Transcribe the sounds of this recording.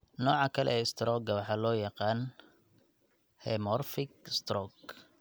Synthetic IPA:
nɔːʕɑkʰɐlɛ̰ɛːɪst̪ɾɔːɡɐwɑħɑːlɔːjɑqɑːn | hɛmɔrfɪɡst̪rɔɡ

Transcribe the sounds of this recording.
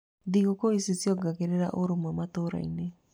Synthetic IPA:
d̪iɣokoisisjɔɡaɣeɾeɾa̰ʔoɾomwamat̪oɾa̰ḭne

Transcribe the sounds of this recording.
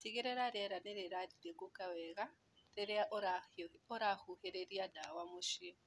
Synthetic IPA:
tiɣeɾeɾaɾeɾaneɾeɾadiɾeɡukaweɣa | ɾeɾɾaoɾahuheɾeɾiadawamuʃi

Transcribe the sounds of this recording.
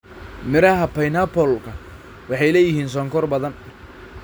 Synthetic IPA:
mɪɾɐɦɐpɐjnɐpʰɔlkʰɐ | wɑħɑjlɛːjɪhiːns̬ɔːŋkʰɔrbɐðɐn

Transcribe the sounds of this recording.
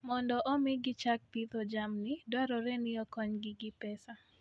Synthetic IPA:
mɔndɔʔɔmɪɡɪt͡ʃak̚pit̪ɔd͡ʒamnɪdwaɾɔɾɛnɪɔkɔɲɡɪɡɪpɛsa

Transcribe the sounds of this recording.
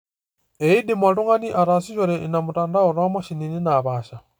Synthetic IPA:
eidimwatuŋaniʔaɾasiʃɔɾɛʔinamutaːndauɾamaʃinininaβaːʃa

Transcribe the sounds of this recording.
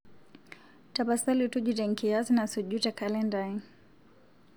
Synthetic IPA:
tapasalutuʄutɛŋkiazinasuʄutakʰalɛndai

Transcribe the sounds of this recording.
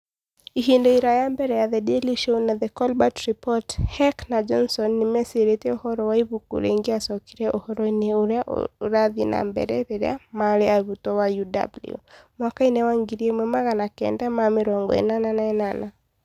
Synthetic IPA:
iɦindɔiɾajambɛɾɛjaðɛdɛliʃonaðɛkɔlbatɾipɔthɛknad͡ʒɔnsɔnːimɛseɾetɛɔhɔɾɔwaiβukṵɾɛ̰ŋɡiasɔkiɾɛʔɔhɔɾɔineɾɾaðina̰mbɛ̰ɾɛɾɛɾɛ̰a̰maɾɛaβutɔwajuda̰bl̰ṵmwakainɛwaŋɡiɾiɛmwɛmaɣanakɛ̰ndamamɪɾɔŋɡɔ̰ɛ̰nananaɛnana

